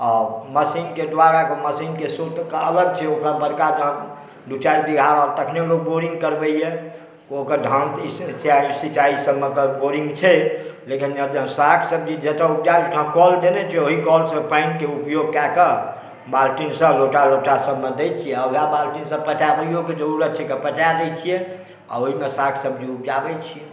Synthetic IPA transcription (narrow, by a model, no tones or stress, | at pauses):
ɔːɾməsinked̪ʋaɾakeməsinkesot̪kəələɡ̚t͡ʃʰɛokɾabəɾkad͡ʒəɦə̃ | ɖ̪ut͡ʃaɾbiɡʱaɾɔɾt̪əkʰneloɡ̚boɾĩŋɡ̚kəɾbɛiɛ | okəɾɖʱənissasit͡ʃaisəbmet̪əbboɾĩŋɡt͡ʃʰɛlekinəɾd͡ʒə̃sakʰsəb̚d͡ʒid͡ʒet̪aup̚d͡ʒabt̪ɦãkɔld̪enɛt͡ʃʰɛoɦikɔlsə̃pə̃ɪnkeupjoɡ̚kakə | balʈinsəloʈaloʈasəbmed̪ɛt͡ʃʰijɛəɦabalʈinsəb̚pəʈabəijoked͡ʒəɾuɾət͡ʃʰɛkepəʈad̪ɛt͡ʃʰijɛ | a̰oɦimesakʰsəbd͡ʒiupd͡ʒabɛt͡ʃʰiɛ